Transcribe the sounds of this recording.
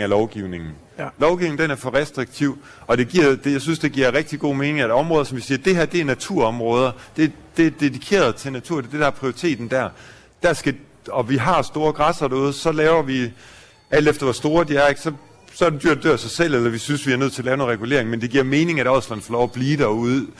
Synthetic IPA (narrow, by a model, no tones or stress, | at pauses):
ælɒʊɡ̥iʊne̝ŋn̩ | lɒʊɡ̥iʊneŋ̩d̥enæɐfɒʁɛsd̥ʁiɡ̥̚t͡sʰiʊ | ɒ̽d̥e̝ɡ̥iɐ̰d̥jaɪsynsd̥e̝ɡ̥iɐ̰ʁɛɡ̥̚d̥iɡ̥o̝̰ːme̝ːne̝ŋæ̥ɒ̽mʁɔðˠɐsɒ̽mʋisiːɐd̥e̝ɦæɐ̰d̥e̝æɐnæt͡sʰuɐ̰ɒ̽mʁɔ̽ːð̞ˠɐd̥e̝d̥e̝æd̥e̝dikʰe̝̰ːɐðˠt͡sʰe̝næt͡sʰṵɐ̥e̝d̥e̝d̥æɐpʰʁioʁit͡sʰe̝̰ːd̥n̩d̥æɐ̰ | d̥æsɡ̥æ | ɒ̽ʋiɦɑ̈sd̥o̝ːɐɡ̥ʁɑsɐd̥æuð̞̩ˠsɒ̽lɛːʊɐʋi | æl̰d̥efd̥ɐʋɒsd̥o̝ːɐd̥iæeɡ̥sɒ̽ | sɒæd̥ed̥yɐ̰d̥øɐ̰sɑɪsel̰elɐʋisynsʋiæɐnøð̰ˠt͡sʰe̝ɐlɛːʊnonʁɛɡ̥ule̝̰ɐeŋmend̥e̝ɡ̥iɐ̰me̝ːne̝ŋæɾ̥ɒslæn̩fɒ̽lɒʊæb̥liːd̥æɐuð̞ˠ